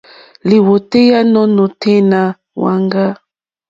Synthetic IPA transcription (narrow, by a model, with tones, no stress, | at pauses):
li˨wo˨te˦ja˦nɔ˦nɔ˨tʰe˦na˨ | wa˨ŋɡa˦